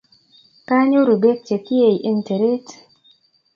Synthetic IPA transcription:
ka˦ɲo˦ɾu˨be˦k̚t͡ʃe˨ki˦e˨i˨ʔi˦nte˨ɾe˦t

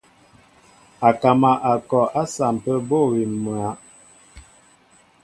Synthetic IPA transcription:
a˨ka˨ma˨ʔa˨kɔ˨ʔa˦sa˨m˨pə˦bo˦˨wi˨mu˨a˨˦

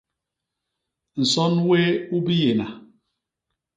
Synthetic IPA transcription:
n̩˨sɔ˦nwe˦u˦bi˦je˨na˨

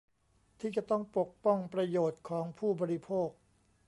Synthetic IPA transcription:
t̪ʰiː˥˩t͡ɕa˧˩t̪ɔ˥˩ŋpo˨˩k̚pɔ˥˩ŋpɾa˧joː˨˩t̪̚kʰɔː˩˦ŋpʰuː˥˩bɔː˧ɾi˦˧pʰoː˥˩k̚

